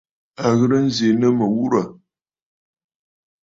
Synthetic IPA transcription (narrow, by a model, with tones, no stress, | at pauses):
a˨ɣə˦ɾə˦n̩˦ze˨nə˦mə˨wu˦ɾa˨